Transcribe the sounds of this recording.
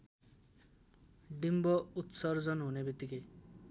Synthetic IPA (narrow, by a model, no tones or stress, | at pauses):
ɖimbɔut̪sɔɾd͡zɔnɦunebit̪ike